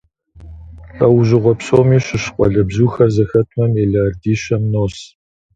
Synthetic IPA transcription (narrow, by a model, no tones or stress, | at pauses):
ɐwʒɪʁʷɔpɕʼoːmiːɕɨɕqʷʼɔ̰ɮɐbzuːxɐrzɐxɐtʰʼmɐmeːɮaːrdiːʃɐmnoːs